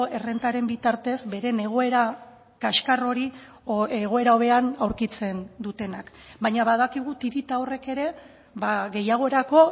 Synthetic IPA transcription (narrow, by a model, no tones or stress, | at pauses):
e̞re̞nt̪aɾe̞mbit̪aɾt̪e̞zbe̞ɾe̞ne̞ɣ̞o̞e̞ɾa | kaʃkaro̞ɾi | eɣ̞o̞e̞ɾao̞βe̞anawɾkit͡se̞nd̪ut̪e̞nak | bajɲaβaðakiɣ̞ut̪iɾit̪ao̞re̞ke̞ɾe̞ | βaɣe̞jaɣ̞o̞eɾako̞